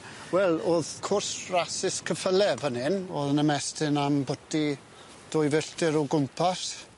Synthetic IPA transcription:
wɛlˠoːðkʰʊrsrasɪskʰəfəlɛvənɪnoːðənəmɛstɪnambɔdi | d̥ɔjvɪɬtɪɾɔɡʊmpʰas

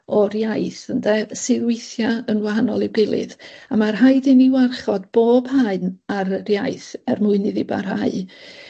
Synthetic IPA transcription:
ɔɾjajθəndɛsɪðwɪjθjaənwaɦanɔlˠɪwɡɪlˠɨ̰ðamarɦajðɪniwarχɔdb̥oːb̥haɨnaɾərjajθɛrmʊɨnɨðɪba̰rɦaɨ

